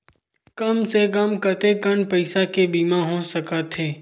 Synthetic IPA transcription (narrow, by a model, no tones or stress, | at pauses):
kɐmsekəmkət̪ekənpəɪsakebiːmãɦõsəkət̪ɦeː